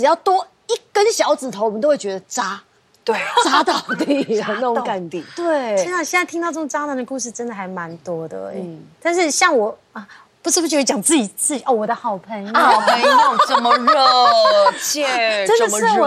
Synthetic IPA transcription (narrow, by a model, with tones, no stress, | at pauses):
ʈ͡ʂɻ̩˨˩jɑ˥˩ʊt̪wɔ˥ | i˥˩kə˥nɕjɑ˧˥ʊt͡sɹ̩˨˩t̪ʰo˧˥wɔ˨mə˦nt̪o˥ʊwe˥˩t͡ɕɥɛ˧˥d̪ə˧ʈ͡ʂa˥ | t̪we˥˩t͡sa˥t̪ɑ˥˧˩ʊt̪i˥˧no˧˥ka˥˧˩nt̪i˨˩˦t̪we˥˩˥na˥˩ɕjɛ˥˧na˥˩ɪt̪ʰi˥ŋt̪ɑ˥˧ʊʈ͡ʂə˥˩o˨˩˧ʈ͡ʂa˥na˨˩d̪ə˩ku˥˧ʂ̬ɻ̩˥˩ʈ͡ʂə˥nd̪ə˨xa˧˥ɪma˧˦nt̪wɔ˥d̪ə̰˩t̪a˥˧nʂ̬ɻ̩˥˧ɕjɑ˥˩ŋwɔ˨˩ | ə˧ | pu˧˥ʂɻ̩˥˩u˩t͡ɕʰi˥wt͡ɕjɑ˨˩ŋt͡sɹ̩˥˩t͡ɕi˨˩t͡sɹ̩˥˩t͡ɕi˨˩ʔo˥˩wɔ˨˩d̪ə˦xɑ˨˩ʊpʰə˧˦njjo˥˧˩pʰə˧˦jo˨˩ʈ͡ʂə˥mə˧ɻə˥t͡ɕʰɛ˥ə˥ndə˨˧m˧˥˩wɔ˨˩